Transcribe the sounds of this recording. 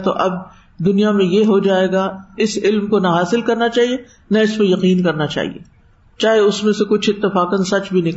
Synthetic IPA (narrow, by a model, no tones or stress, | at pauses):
t̪o̰ʔɐb̚ | d̪ʊnijamẽjeɦod͡ʒaːeːɡaɪsɪlmkonaɦaːsɪlkɐɾnat͡ʃaːɦie | naɪspojɐqiːnkɐɾnat͡ʃa̰ːɦḭḛː | t͡ʃaːɦeʊsmẽsekʊt͡ʃʰɪt̪ːɪfaːkə̃nsɐt͡ʃbʱinɪk